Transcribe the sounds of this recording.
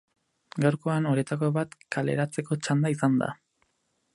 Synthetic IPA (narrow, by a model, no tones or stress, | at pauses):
ɡawɾko̞ano̞ɾet̪ako̞βat̪kale̞̰ɾat͡se̞ko̞t͡ʃand̪aisand̪a̰